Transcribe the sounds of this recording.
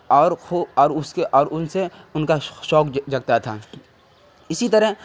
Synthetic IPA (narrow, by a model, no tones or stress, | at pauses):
ɔːɾxoɔːɾʊskeʔɔːɾʊnseʊnkaʃɔːkd͡ʒɐɡ̚t̪at̪ʰaː | ɪsit̪ɐɾə